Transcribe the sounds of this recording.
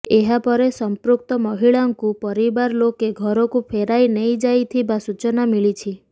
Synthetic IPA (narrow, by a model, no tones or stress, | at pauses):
eɦapɔɾesɔmpɾuk̚t̪ɔmɔɦiɭaŋkupɔɾibaɾlokeɡʱɔɾɔkupʰeɾajnejd͡ʒajt̪ʰibasut͡ʃɔnamiɭit͡ʃʰi